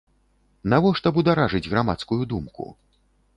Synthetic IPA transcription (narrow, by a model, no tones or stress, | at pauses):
navɔʂt̪ɐbud̪aɾaʐɨd͡zʲɣɾama̰t̪skujud̪umkṵ